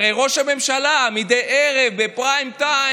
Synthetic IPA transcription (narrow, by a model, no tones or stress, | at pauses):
ejʁo̞ʃhame̞mʃalamidejʔeʁe̞vbepʁaimt̪a